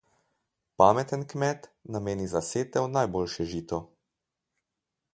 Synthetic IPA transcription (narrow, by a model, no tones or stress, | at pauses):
paːmɛt̪ənkmɛt̪nameːnizaseːt̪ɛwnajboːlʃɛʒiːt̪ɔ